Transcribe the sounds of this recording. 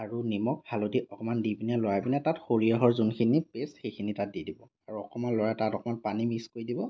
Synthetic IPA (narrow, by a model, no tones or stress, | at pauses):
aɹunimɔk̚bʱalodiʔɔkɔmandibinalɔjabinɛtatxoɹiaɦɔɹzunkʰinipesxejkʰinitat̚didibɔ | aɹuɔkɔmanlɔjatatɔkɔmanpanimiskojdibɔ